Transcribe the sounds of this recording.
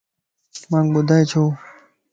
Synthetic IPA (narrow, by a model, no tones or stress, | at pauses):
mãːŋɡbʊd̪ʱaːjt͡ɕʰoː